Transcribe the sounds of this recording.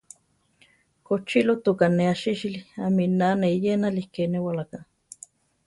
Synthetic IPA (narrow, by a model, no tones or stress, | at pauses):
kot͡ʃilot̪ukaneaʃiʃiliaminaneijenalikenewalaka